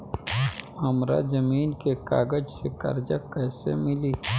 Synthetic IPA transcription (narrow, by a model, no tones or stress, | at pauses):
hɐmɾa̰zɐmiːnkeka̰ːɡəd͡ʒsekɐ̰ɾd͡ʒakɐːsḛmɪliː